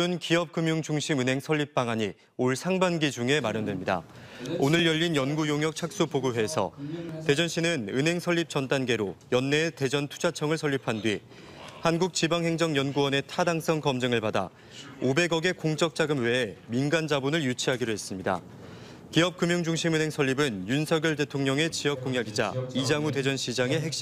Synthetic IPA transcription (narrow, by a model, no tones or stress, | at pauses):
unkiɦʌp̚k͈ɯmjuŋd͡ʑuŋɕʰimɯnɦe̞ŋsʰʌʎːip̚p͈aŋaɲi | oɭsʰaŋbanɡid͡ʑuŋe̞maɾjʌndwemɲida̰ | onɯɾjʌʎːinjʌnɡujoŋjʌk̚t͡ɕʰak̚s͈upoɡuɦe̞ːsʰʌ̰te̞d͡ʑʌnɕ͈ʰinɯnɯnɦe̞ŋsʰʌʎːip̚t͡ɕʌnt͈anɡe̞ɾojʌnːe̞te̞d͡ʑʌntʰu̥d͡ʑat͡ɕʰʌŋɯɭsʰʌʎːipʰandwɥi | hanɡuk̚t͡ɕibaŋɦe̞ŋd͡ʑʌŋjʌnɡuwʌne̞tʰadaŋs͈ʰʌŋkʌmd͡ʑɯŋɯɭpada̰ | obe̞ɡʌɡe̞koŋt͡ɕ͈ʌk̚t͡ɕ͈aɡɯmwe̞ːminɡand͡ʑabunɯɭjut͡ɕʰiɦaɡiɾoɦe̞s͈ɯmɲida̰ | kiɦʌp̚kɯmjuŋd͡ʑuŋɕʰimɯnɦe̞ŋsʰʌʎːibɯnjunsʰʌɡjʌɭte̞tʰoŋɲʌŋe̞t͡ɕiɦʌp̚k͈oŋjaɡid͡ʑa̰id͡ʑaŋute̞d͡ʑʌnɕʰid͡ʑaŋe̞ɦek̚ɕ͈i